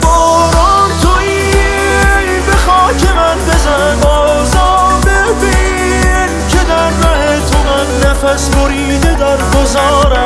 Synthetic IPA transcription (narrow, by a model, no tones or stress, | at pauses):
bɒːɾɔnt̪ʰoi | jbexɒːcʰemænbezaɾæmɒːzɒːbebi | ncʰed̪æɾːæhet̪ʰomænlæfæsboɾiːd̪ed̪æɾɡozɒːɾæm